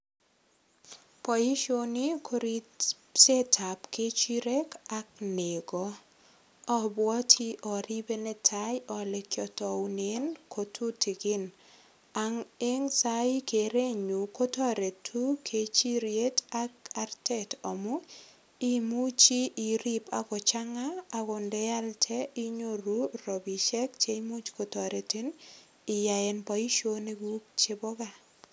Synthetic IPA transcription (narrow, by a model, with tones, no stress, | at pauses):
pɔ˨ji˦ʃo˦ni˦kʰo˦ɾi | se˦tʰa˨pke˦t͡ʃi˦ɾe˦ka˦k̚ne˨ɡɔ˦ | ɔ˦bwɔ˦tʰi˦ʔɔ˨ɾi˦be˦nɛ˦tʰa˦jɔ˨le˨kjɔ˨tɔ˨wune˦nkʰo˨tʰu˦ti˨ɡɪ˦n | a˨ŋe˦ŋsai˦ke˨ɾe˦ɲu˨ko˦tɔ˦ɾe˨tʰu˦kʰe˨˦t͡ʃi˦ɾje˦ta˦ka˨rtɛ˦tɔ˨mu˦ | i˦mu˦t͡ʃi˦ʔi˨ɾi˦pa˨kɔ˨t͡ʃa˦ŋaː˦˨kɔ˨ndɛ˦a˦ltʰɛ˦i˦ɲo˦ɾu˦rɔ˨bi˨ʃɛ˦k̚t͡ʃe˦imu˦t͡ʃko˨tɔ˨ɾe˨ti˦n | ɪ˨ja˨e˨npɔ˨i˦ʃo˦ne˦ɡu˦k̚t͡ʃe˦bɔ˦ka˨